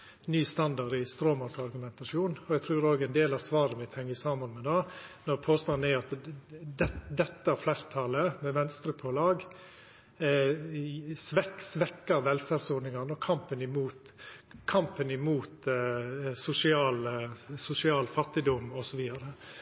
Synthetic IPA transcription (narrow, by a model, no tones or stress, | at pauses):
nyːst̪ɑnd̪ɑɾɪst̪ɾoːmɑsɑɾɡʉmɛnt̪ɑʂuːnɔɛt̪ʰɾʉːɾoːɡɛnd̪eːlɑsʋɑːɾəmɪt̪ːhɛŋːəsɑːmənmɛd̪ɑnɔɾpʰoːst̪ɑnæɾɑt̪d̪ɛd̪ɛt̪ːəæɾflæːɾt̪ʰɑləmɛʋɛnst̪ɾəpʰɔlɑːɡ | sʋɛksʋɛkːəɾʋɛlfæɾsunɪŋɑnəɔkʰɑmpənɪmuːt̪ | kʰɑmpənɪmuːt̪ | sʊsɪɑːlsʊsɪɑːlfɑt̪ːɪd̪ɔmɔsɔʋiːd̪ɑɾə